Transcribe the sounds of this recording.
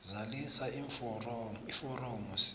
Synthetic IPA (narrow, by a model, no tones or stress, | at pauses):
zalisaifɔrɔifɔrɔmus